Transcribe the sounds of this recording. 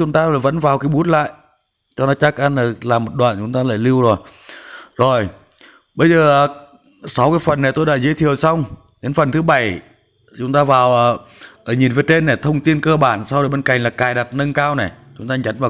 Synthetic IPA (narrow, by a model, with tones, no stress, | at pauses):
t͡ɕʊ˨˦ŋ͡mt̪aː˧˨˩və̰˧˥nvaː˨˩wkaː˨˦jɓu˨˦˥ət̚la̰ː˧˨j | t͡ɕɔ˧nɔ˨˦t͡ɕaː˦˥k̚ʔa˧naː˨˩laː˨˩mːo˨˩t̚ɗwa̰ː˧˨nt͡ɕʊ˨˦ŋ͡mt̪aː˧la̰ː˧˨jli˧əwzo˨˩j | zo˨˩j | ɓə˧jzəː˨˩ʔː | sa˨˦wkaː˨˦jfə˨˩nːa˨˩jt̪o˧jɗa̰˧˥zi˨˦jt̪ʰi˨˩əwsa˧wŋ͡m | ɗe˨˦nfə˨˩nt̪ʰɨ˨˦ɓa˧˩j | t͡ɕʊ˨˦ŋ͡mt̪aː˧vaː˨˩wʔː | ʔə˨˩ɲi˨˩nvəː˨˦jt̪e˧nːa˨˩t̪ʰə˧wŋ͡mt̪i˧nkəː˧ɓaː˧˩˨nsa˧wjɓe˧nka̰˧˩jŋ̟laː˨˩kaː˨˩jɗa˨˩p̚nə˧nkaː˧wna˨˩t͡ɕʊ˨˦ŋ͡mt̪aː˧ɲa˨˦nvaː˨˩